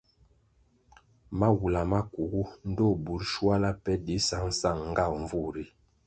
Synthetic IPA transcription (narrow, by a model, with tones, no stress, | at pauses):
ma˦wu˨la˨ma˦ku˨ɡu˦n̩˦dɔ˦˨bu˨˦ɾʃwa˦la˦pɛ˦di˨˦sa˦ŋ̩˦sa˦˨ŋŋ˦ɡa˦˨wɱ˨vu˦˨ɾi˦